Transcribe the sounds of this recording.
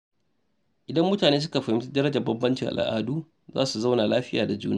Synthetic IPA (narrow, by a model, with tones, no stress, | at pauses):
ʔɪ˨dɐ˦mːʊ˦taː˨neː˦s̬ʊ˦ka˨ɸɐ˨hɪ˦ti˦dɐ˦ɾɐ˦d͡ʒɐ˨bɐ˦mbɐ˦nt͡ʃɪ˨ŋʔa̰˨lʔa̰ː˦duː˦ | za̰ː˦su˨za˦wna˨laː˦ɸɪ˦jaː˨da˨d͡ʒṵː˦naː˦˨